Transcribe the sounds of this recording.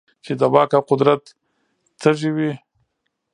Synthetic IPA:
t͡ʃed̪abɑkaqʊd̪ɾat̪ | t͡səʒiwi

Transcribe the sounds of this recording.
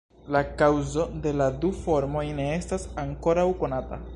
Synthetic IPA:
lakawzo̞de̞ladufo̞ɾmo̞jne̞e̞stasaŋko̞ɾawko̞nata̰

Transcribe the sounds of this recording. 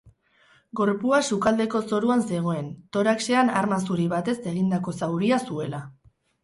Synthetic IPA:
ɡo̞ɾpuasukald̪e̞ko̞so̞ɾuanse̞ɣ̞o̞e̞nt̪o̞ɾakse̞anaɾmasuɾiβat̪e̞se̞ɣind̪ako̞sawɾiasue̞la

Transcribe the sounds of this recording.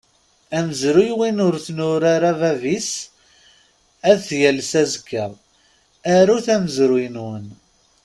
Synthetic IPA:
æməzɾujwinʊɾθnʊɾaɾavævis | æðθjælsæzkːəʁˤ | æɾuθæməzɾinwən

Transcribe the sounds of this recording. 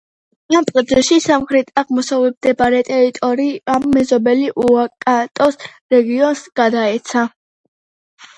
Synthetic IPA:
amp̪ʼqʼɔd̪zɛʃisamχɾɛt̪ʰʼaʁmɔsavɛb̚d̪ɛbaɾɛt̪ʼɛɾit̪ʼɔɾiamːɛzɔbɛliʔuakʼat̪ʼɔs | ɾɛɡiɔnsɡ̥ad̪aɛt̪sʰa

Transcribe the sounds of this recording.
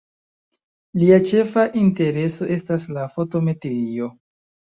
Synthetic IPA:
liat͡ʃe̞faʔinte̞ɾe̞so̞ʔe̞staslafo̞to̞me̞teɾio̞

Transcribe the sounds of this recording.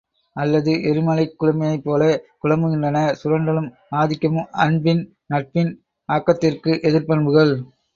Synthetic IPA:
ʔɐlːɐðɯʔɛɾɯmɐlɐɪkːʊɻʊmɐjɐɪpːoːlɐkʊɻɐmbɯɣɪndrɐnɐsʊɾɐɳɖɐlɯm | aːðɪkːɐmɯmɐnbɪn | nɐʈ̚pɪn | aːkːɐt̪ːɪrkɯʔɛðɪɾpɐɳbɯɣɐɭ

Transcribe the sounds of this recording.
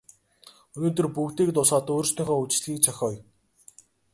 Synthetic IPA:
ɵnoːt̪ɵ̆rpukt̪iːk̚t̪ʊsaːt̪oːɾst̪ʰœ̆ːŋχɔːut͡ɕ̆ɮxiːk̚t͡sʰœxʲɔːj

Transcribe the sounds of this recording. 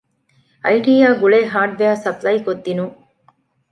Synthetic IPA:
ɐjʈiːjaːɡuɭeːɦaːʈʋeaːsɐplɐjkod̪ːinuŋ

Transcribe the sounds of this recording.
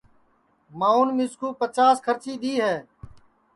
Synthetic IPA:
mãːuːnmɪskuːpət͡ʃaːskʰəɾt͡ʃiːɗ̪iːɦɛː

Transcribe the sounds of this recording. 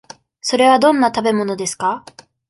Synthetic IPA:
so̞ɾe̞β̞ad̪õ̞nːat̪abe̞mo̞no̞d̪esɨ̥ka

